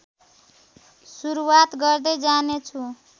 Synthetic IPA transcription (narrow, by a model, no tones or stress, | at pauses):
suɾuwat̪ɡʌrd̪ʌjd͡zanet͡sʰu